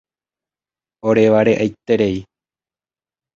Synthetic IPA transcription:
oɾeʋaɾeʔajt̪e̞ɾe̞i

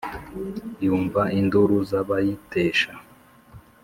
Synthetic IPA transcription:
juːɱvainduɾuzaβajiteːʃa

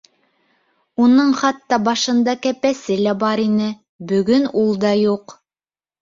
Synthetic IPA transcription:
unɤɴχɑt̪ːɑbɑʃɤ̆nd̪ɑkæpæsɘlæbɑɾinɘ | bɵ̆ɡɵnulˠd̪ɑjuq

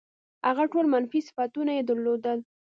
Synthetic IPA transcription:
haɣaʈolmanfisɪ̥fat̪unajed̪əɾlod̪əl

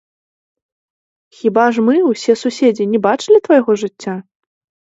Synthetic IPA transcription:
xʲibaʐmɨwsʲɛsusʲed͡zʲinʲɛbat͡ʂɨlʲit̪vɐjɣɔʐɨt͡sʲːa

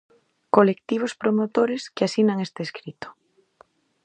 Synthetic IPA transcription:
kolekt̪iβ̞ospɾomot̪oɾeskeasinaŋest̪eskɾit̪o̥

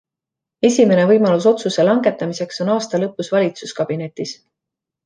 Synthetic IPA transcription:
e̞sʲime̞ne̞vɤjmɑlus̬o̞t̪suse̞lɑŋɡe̞t̪ːˑɑmise̞kso̞nɑːst̪ɑlɤpːˑusvɑlʲit̪suskɑb̥ine̞t̪ːˑis

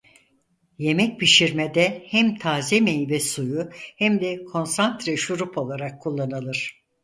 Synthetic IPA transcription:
je̞mɛc̚biʃiɾmed̪ɛhæmt̪ʰaːzemejvɛsujuhæmd̪ɛkʰo̞nsant̪ɾɛʃuɾupo̞lˠaɾakʰːulˠːanalˠɯɾ̥

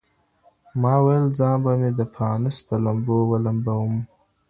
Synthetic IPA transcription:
mɑːwajəlzɑ̃ːbamed̪əpʰɑːnɪspəlambowalambawum

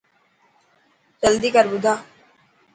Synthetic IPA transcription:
d͡ʒəld̪iːkəɾbʊd̪ʱaː

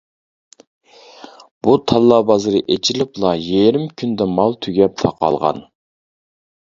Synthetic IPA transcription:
b̥ut̪ʰɑlˠːɑːbɑzɨɾɨʔet͡ʃʰilɪplˠɑjeɾɪmkʲʰynd̪ɛmɑlˠt̪ʰyɡʲɛp̚t̪ʰɑqɑ̰lˠʁɑ̰n

